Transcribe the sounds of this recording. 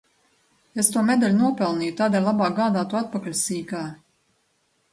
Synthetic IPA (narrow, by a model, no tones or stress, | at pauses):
est̪uɔmɛd̪alʲnuɔpɛlˠniːjut̪aːd̪eːlʲˠabaːɡaːd̪aːt̪uɔat̪̚pakalʲsiːkaː